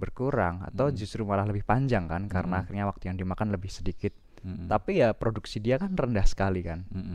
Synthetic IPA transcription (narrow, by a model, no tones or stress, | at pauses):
bərkuɾaŋa̰t̪awd͡ʒust̪ɾumalaɦləbɪhpaɲd͡ʒaŋkankaɾənaːxɪrɲawak̚t̪ujaŋdimakanləbɪhsədikɪt̪̚ː | apijapɾoduksidiakanrəndahsə̥kalikan